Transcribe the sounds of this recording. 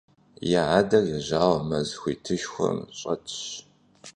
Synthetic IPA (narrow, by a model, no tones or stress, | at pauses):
jaʕaːdɐrjɛʑaːwɐmɐzxʷiːtʰɨʃxʷɔ̰mɕʼɐtʰɕ